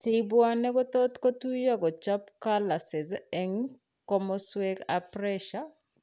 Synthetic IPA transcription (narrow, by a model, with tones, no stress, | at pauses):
tɪbwa˦nɛ˦kɔ˦tɔ˦t̪ko˦tu˦ja˦ɡɔ˨t͡ʃa˦pkala˨sɪ˨zɛŋ | kɔ˦mɔ˦swekapɾɛʃa